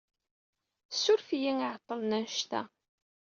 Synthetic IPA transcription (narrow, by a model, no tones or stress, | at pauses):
sːʊɾfijiŋiʕt̪ˤːəlnænʃt̪æ̰